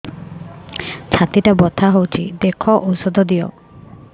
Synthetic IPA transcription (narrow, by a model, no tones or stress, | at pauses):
t͡ʃʰat̪iʈabɔt̪ʰaɦowt͡ʃʰid̪ekʰɔʔowsɔd̪ɔd̪ijɔ